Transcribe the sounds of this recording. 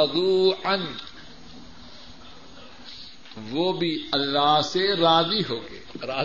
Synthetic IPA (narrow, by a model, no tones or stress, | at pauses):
d̪uːən | ʋoːbʱiɐlːaːɦseɾaːziɦoːɡḛːɾaː